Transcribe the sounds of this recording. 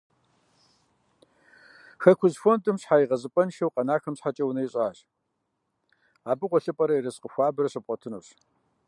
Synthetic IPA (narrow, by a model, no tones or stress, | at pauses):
xɐkʷʰʊzfontʼɨmɕħaːjiʁɐzɨpʼɐnʃɐwqɐnaːxɐmɕħat͡ʃʼɐwunɐjiɕʼaːɕ | aːbɨqʷɔɬɨpʼɐɾɐjiɾɐsqəxʷɑːbɨrɐɕɨp̚ʼqʼɔtʰɨnṵːɕ